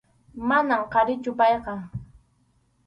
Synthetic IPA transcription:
manamqɑɾɪt͡ʃʊpɑjqɑ

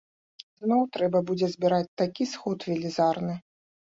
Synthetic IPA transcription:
znɔwt̪ɾɛbɐbud͡zʲɛzʲbʲiɾat͡sʲt̪akʲisxɔt̪vʲɛlʲizarnɨ

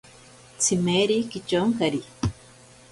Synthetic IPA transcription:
t͡sʰimeɾikit͡ʃoŋkaɾi

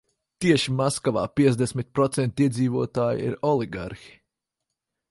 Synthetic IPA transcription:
t̪iɛʃimaskaʋa̰ːpiɛt̪zd̪esmʲit̪̚pɾɔt̪sɛnt̪iɛd̪ziːvuɔt̪aːjḭɾɔlˠiɡa̰ɾxi̥

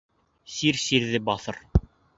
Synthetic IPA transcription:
siɾsiɾðɘbɑθɤ̰ɾ

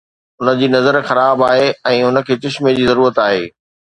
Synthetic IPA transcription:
ʊnə̆d͡ʑiːnɐzəɾxɐɾaːbaːɦeɛ̃ːʊnə̆kʰeːt͡ɕɪʃmed͡ʑiːzɐɾuːɾət̪aːɦeː

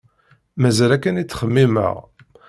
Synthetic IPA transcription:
mæzælækːænit͡sːχəmːimə̰ʁ

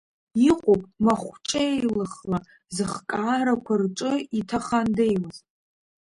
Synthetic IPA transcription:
iqʷʼopʼmaχʷt͡ʃʼejlɨχla | zɨχkʼaːɾakʷʰarʈ͡ʂʼɨitʰaχandejmɨzʼ

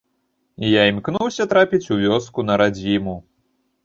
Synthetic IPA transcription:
ijaimʲknuwsʲɐt̪ɾapʲit͡sʲuvʲɔskun̪ɐɾad͡zʲimu

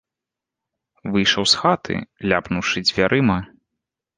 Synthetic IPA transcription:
vɨjʂɐwsxat̪ʰɨ̰lʲapnuwʂɨd͡zʲvʲaɾʔɨmɐ

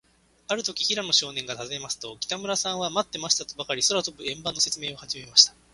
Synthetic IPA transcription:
aɾɯ̟t̪o̞kʲiçiɾano̞ɕo̞ːnẽ̞ŋɡat̪azɨemasɨ̥t̪o̞kʲi̥t̪amɯ̟ɾasãɰ̃βamat̪ːe̞maɕi̥t̪at̪obakaɾʲisoɾat̪o̞bɯ̟ẽ̞mbanːo̞se̞t͡sɨme̞ːo̞haʑime̞maɕi̥t̪ḁ

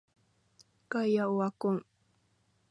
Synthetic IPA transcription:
kajaʊwakʊŋ

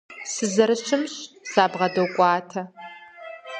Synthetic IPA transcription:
sɨzɐɾɨɕɨmɕsaːbʁɐdɐwkʷʼɑːtʰɐ

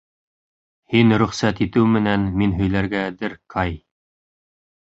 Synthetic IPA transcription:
hinɾɵ̆χsæt̪it̪ɘwmɘ̆nænminɦɵ̆jlæɾɡæd̪ɘɾkʰɑj

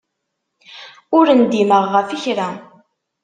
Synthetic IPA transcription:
ʊɾənd̪iməʁːəfəçɾæ

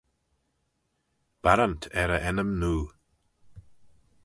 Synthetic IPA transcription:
b̥aɾantʰɛɾəʔɛnəmnuː

